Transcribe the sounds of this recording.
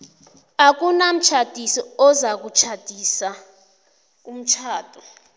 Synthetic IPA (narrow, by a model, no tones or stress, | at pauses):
ak̬unam̩t͡ʃʰad̥ʱisɔɔzak̬ut͡ʃʰad̥ʱisa | um̩t͡ʃʰaːtʼɔ